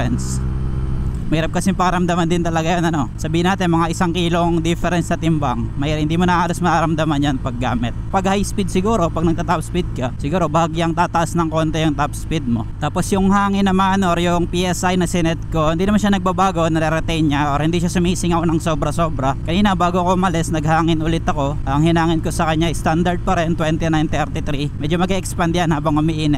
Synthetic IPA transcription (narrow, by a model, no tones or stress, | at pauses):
ɛns | mɐhiːɾɐp̚kɐsɪmpɐŋɐɾɐmd̪amand̪ɪnt̪ɐlɐɡajonɐno̞sɐbiːhɪnːaːt̪ɪnmɐŋaʔɪsaŋkiːlo̞ŋd̪ɪfɛɾɛnsɐt̪ɪmbaŋmɐihɪnd̪imonɐʔaːlɐsmɐkɐɾɐmd̪amɐnjɐnpɐɡːa̰ːmɪt̪̚pɐɡhajspid̪sɪɡuːɾo̞pɐɡnɐɡ̚t̪at̪apspid̪̚kɐsɪɡuːɾo̞baːɡiɐŋt̪aːt̪ɐʔasnɐŋko̞nt̪ɛjʊŋt̪apspid̪̚mo̞t̪aːpo̞sjʊŋhaːŋɪnːɐmanoɾjʊŋpiʔɛsajnɐsɛnɛt̪̚ko̞hɪnd̪iːnmanʃ̬anɐɡ̚babaːɡo̞nɐɾɛɾɛt̪ɛjnɲaʔoɾhɪnd̪iʃasʊmisɪŋɐkonɐŋso̞ːbɾɐso̞ːbɾɐkɐniːnɐbaːɡokoʔʊmɐlɛsnɐɡhaːŋɪnʔʊlɪt̪ɐko̞ʔɐŋhɪnaːŋɪnko̞sɐkɐɲːaɐjst̪and̪ɐɾd̪̚pɐɾɛnt̪wɛnt̪ɪnajnt̪ɛɾt̪ɪt̪ɾimɛd͡ʒomɐɡɛʔɛkspand̪ɪanhaːbɐŋʔʊmɪʔiːnɛ